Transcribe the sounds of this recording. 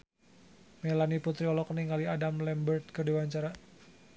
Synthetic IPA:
melaniput̪ɾiɔlɔkəniŋɡaliadamlɛmbərt̪̚kərdewaɲt͡ʃaɾa

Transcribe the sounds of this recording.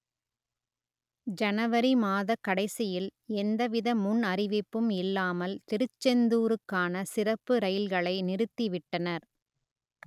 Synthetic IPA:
d͡ʒɐnɐʋɐɾimaːðɐkːɐɽɐɪsɪjɪlɛnd̪ɐʋɪðɐmʊnɐrɪʋɪpːɯmɪlːaːmɐlt̪ɪɾɯt͡ʃːɛnd̪uːɾɯkːaːnɐsɪrɐpːɯɾɐjɪlɣɐɭɐɪnɪɾɯt̪ːiʋɪʈːɐnɐɾ

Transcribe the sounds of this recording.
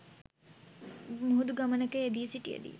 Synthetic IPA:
muɦud̪uɡamənəkəed̪isiʈijḛd̪ḭ

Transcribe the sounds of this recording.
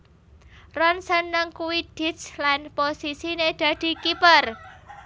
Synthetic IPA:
rɔnsənːəŋkuwid̪̥i̤slanposisined̥a̤d̪̥i̤kipər

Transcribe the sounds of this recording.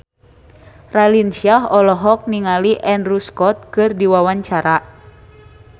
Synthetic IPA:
ralinsiaɦɔlɔɦɔk̚niŋaliʔɛnruskɔt̪̚kɨrdiwawaɲt͡ʃaɾa

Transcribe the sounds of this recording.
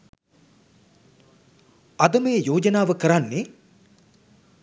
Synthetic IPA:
ɐd̪ɐməjəjoːd͡ʒɐnaːʋəkəɾanːe

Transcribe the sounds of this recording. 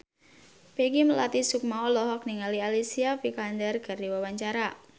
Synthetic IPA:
peɡiməlat̪isuk̚maɔlɔɦɔk̚niŋalialisiapikandɛrɡ̥ardiwawaɲt͡ʃaɾa

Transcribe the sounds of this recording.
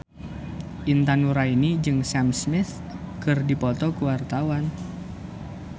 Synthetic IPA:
ʔint̪anuɾainid͡ʒɨŋsamsmɪθ | kɨrdipɔt̪ɔkuwart̪awan

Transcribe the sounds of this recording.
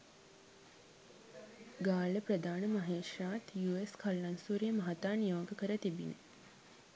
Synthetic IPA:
ɡaːləpɾəd̪aːnəmɐɦeːʂaːt̪juːeskʰɐlːɐnsuːɾeːmɐɦat̪aːnijoːɡəkəɾət̪ibinḛ

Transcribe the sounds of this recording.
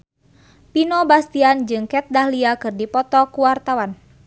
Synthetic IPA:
pinɔbast̪iand͡ʒɨŋkɛt̪̚dahliakɨrdipɔt̪ɔkuwart̪awan

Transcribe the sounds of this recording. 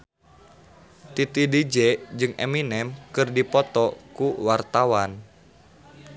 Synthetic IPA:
t̪it̪idid͡ʒɛd͡ʒɨŋɛ̰minɛmkɨrdipɔt̪ɔkuwart̪awan

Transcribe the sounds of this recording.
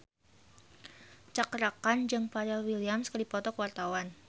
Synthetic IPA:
t͡ʃakəɾakand͡ʒɨŋpaɾalwiliamskədipɔt̪ɔkwart̪awan

